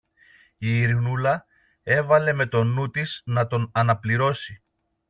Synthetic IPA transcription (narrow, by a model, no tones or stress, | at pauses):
iːɾɣnulɐ | e̞vɐle̞me̞t̪o̞nut̪iznɐt̪o̞nɐnɐpliɾo̞si